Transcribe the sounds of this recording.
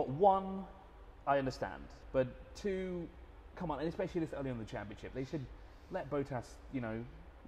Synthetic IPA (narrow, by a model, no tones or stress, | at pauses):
ɒʔ̚wʌ̃n | aɪʌ̃ndə˞stæ̰̃nd̥ | b̥ʌtʰʉː | kʰʌ̃mə̃nə̃nɨspɛʃl̩ˠiðɪsɜːlˠiə̃nðət͡ʃʰæ̃mpiɨ̃nʃɪp̚ðeɪsɨd̚ | lɛt̚b̥oʊtʰæs | jɨñoʊ